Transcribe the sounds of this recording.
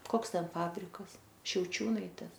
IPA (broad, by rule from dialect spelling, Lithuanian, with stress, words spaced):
ˈkoːks ˈtʲɛn ˈfɑːbʲrʲɪkɐs ʃʲɛʊˈt͡ʃʲuːnɐɪtʲeːs